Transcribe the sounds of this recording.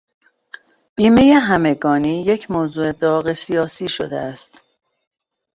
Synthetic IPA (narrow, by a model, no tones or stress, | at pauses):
b̥iːme̞jeɦæme̞ɡɒːniːje̞cʰmoːzuːe̞d̪ɒːɣe̞sijɒːsiːʃo̰d̪ḛæst̪